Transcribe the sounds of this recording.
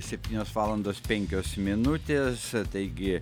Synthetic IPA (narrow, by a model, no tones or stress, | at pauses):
sʲɛp̚ʲt̪ʲiːnʲoːsʋɑːlˠɐnd̪oːspʲɛŋʲkʲoːsmʲɪnʊt̪ʲeːst̪ɐɪɡʲɪ